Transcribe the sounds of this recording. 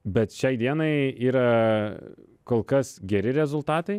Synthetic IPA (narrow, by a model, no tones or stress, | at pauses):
bʲɛt̪ʃʲɛɪd̪ʲiɛnɐɪiːɾɐ | koːlˠkɐsɡʲɛɾʲɪɾʲɛzʊlˠt̪ɑːt̪ɐɪ